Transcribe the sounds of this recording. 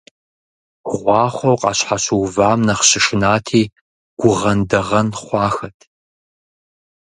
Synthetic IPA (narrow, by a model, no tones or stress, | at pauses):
ʁʷɑːχʷowqʼɑ̰ːɕħaɕuwvaːmnɐχɕɪʂɪnaːtʰiː | ɡ̥ʷʊʁɐndɐʁɐnχʷɑːxɐtʰ